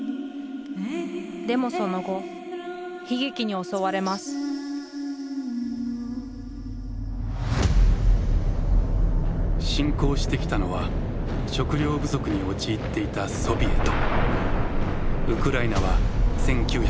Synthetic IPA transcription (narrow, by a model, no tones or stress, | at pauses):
d̪e̞mo̞so̞no̞ɡo̞ | çiɡikʲiɲ̟io̞so̞βaɾe̞masɨ̥ | ɕĩŋko̞ːɕi̥t̪e̞kʲi̥t̪ano̞βaɕo̞kɯ̟ɾʲo̞ːbɯ̟zo̞kɯ̟ɲ̟io̞t͡ɕiːt̪ːe̞it̪aso̞bʲie̞̰t̪o | ɯ̟kɯ̟ɾainaβ̞asẽ̞ŋkʲɨːç